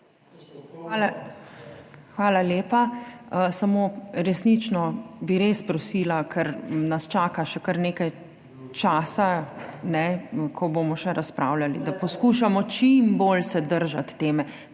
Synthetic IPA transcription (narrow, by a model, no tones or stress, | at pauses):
a | xʋaːlaleːpaəsamoːɾɛsnit͡ʃnɔbiɾeːspɾɔsilakʰɛɾnast͡ʃaːkaʃɛkɐɾneːkaj | t͡ʃaːsanɛkʰɔboːmɔʃɛɾʔaspɾaːwlalid̪apɔskuʃamɔt͡ʃimboːlsɛd̪əɾʒat̪ːeːmɛ